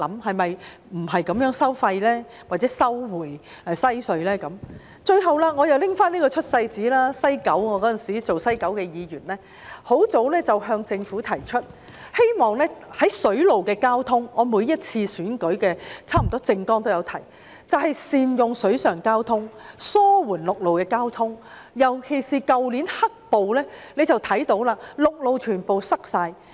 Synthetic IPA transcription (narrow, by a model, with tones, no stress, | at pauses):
lɐ˨˥mhɐ˨jmɐ˨j | m̩˨˩ɦɐ˨jkɐ˨˥mjœː˨˥ŋsɐ˥wfɐ˧jlɛː˥ | waː˨t̚t͡sɛː˨˥sɐ˥wwuː˨˩j | ɛ˨sɐ˥jsɵ˧ɥlɛː˥kɐ˨˥m | t͡ʃɵ˧ɥɦɐ˨wlaː˥ŋɔː˨˧jɐ˨wlɪ˥ŋfaː˥nliː˥kɔː˧t͡ʃʰɵ˥t̚sɐ˧jt͡siː˨˥laː˥sɐ˥jkɐ˨˥wŋɔː˨˧kɔː˨˥t͡sɐ˨nsiː˨˥t͡so˨wsɐ˥jkɐ˨˥wkɛː˧jiː˨˧jyː˨˩nlɛː˥ | ho˨˥wt͡so˨˥wlɛː˥t͡sɐ˨wɦœː˧ŋt͡sɪ˧ŋfuː˨˥t̪ʰɐ˨˩jt͡ʃʰɵ˥t̚ | he˥jmɔː˨ŋlɛː˥hɐ˨˥jsɵ˨˥ɥlo˨wkɛː˧kaː˥wt̪ʰʊ˥ŋŋɔː˨˧muː˨˧jjɐ˥t̚t͡sʰiː˧syː˨˥nkɵ˨˥ɥkɛː˧t͡sʰaː˥m̩˨˩ɔː˥t͡sɪ˧ŋkɔː˥ŋt̪o˥wjɐ˨˧wt̪ʰɐ˨˩j | t͡sɐ˨whɐ˨jsiː˨njʊ˨ŋsɵ˨˥ɥsœː˨˩ŋkaː˥wt̪ʰʊ˥ŋsɔː˥wuː˨˩nlʊ˨k̚lo˨wkɛː˧kaː˥wt̪ʰʊ˥ŋ | jɐ˨˩wkʰe˨˩jsiː˨kɐ˨˧wli˨˥nhɐ˥k̚po˨wlɛː˥ne˨˧jt͡sɐ˨wt̪ʰɐ˨˥jt̪o˨˧˥wlaː˧lʊ˨k̚lo˨wt͡ʃʰyː˨˩npo˨wsɐ˥k̚saː˧j